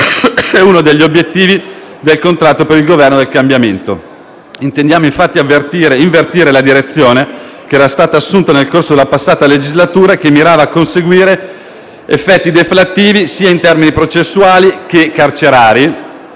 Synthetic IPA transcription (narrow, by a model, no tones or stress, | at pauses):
ɛuːnod̪eʎːiobjet̪ːiːvi | d̪elkont̪ɾat̪ːopeɾilɡovɛrnod̪elkambjament̪o | int̪end̪jaːmoiɱfat̪ːiavːert̪iːɾeiɱvert̪iːɾelad̪iɾet̪sːjoːne | keɛːɾast̪aːt̪aːsːunt̪anelkorsod̪elapasːaːt̪aled͡ʒizlat̪uːɾakemːiɾaːvaːkːonseɡwiːɾe | efːɛt̪ːid̪eflat̪ːiːvisiːaint̪ɛrminipɾot͡ʃesːuaːlikekart͡ʃeɾaːɾi